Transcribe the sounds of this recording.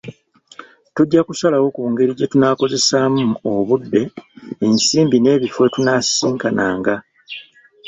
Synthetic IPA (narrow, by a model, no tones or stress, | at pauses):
tuɟːakusalawo̞kuːŋɡe̞ɾiɟe̞tunaːko̞ze̞saːmuoβudːe̞ːnsiːmbine̞ːβifwe̞tunasiːŋkana̰ːŋɡa